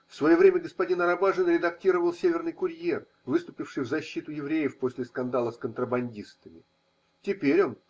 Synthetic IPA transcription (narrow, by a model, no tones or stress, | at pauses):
fsvɐjovɾʲemʲəɡəspɐdʲinɐɾɐbaʐɨnɾʲɪd̪ɐk̚tʲiɾəvəlˠsʲevʲɪrnɨjkʊɾʲje̞r | vɨst̪ʊpʲɪfʂɨjvzɐɕːit̪ʊjɪvɾʲejɪfpo̞sʲlʲɪskɐnd̪alˠəskənt̪ɾəbɐnʲdʲist̪əmʲɪ | tʲɪpʲeɾʲo̞n